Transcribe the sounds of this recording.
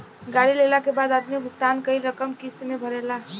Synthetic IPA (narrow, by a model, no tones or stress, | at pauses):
ɡaɽilelakebaːd̪aːd̪mibʱʊk̚t̪aːnkəiɾəkəmkist̪mẽbʱəɾela